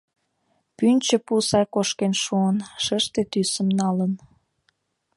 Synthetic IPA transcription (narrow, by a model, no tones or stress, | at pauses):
pynʲt͡ɕə̆pusɑjkoʃkenʃuənʃəʃt̪et̪ysə̆mnɑlən